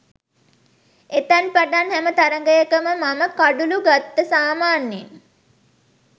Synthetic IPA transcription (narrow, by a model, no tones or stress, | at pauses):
et̪anpaɖanhɛmət̪aɾəŋɡəjəkəməmaməkaɖuluɡat̪ːəsaːmaːnjin